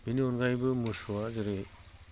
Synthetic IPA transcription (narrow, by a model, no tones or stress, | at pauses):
biniɔnɡajbɯmɯsuwazɯɾe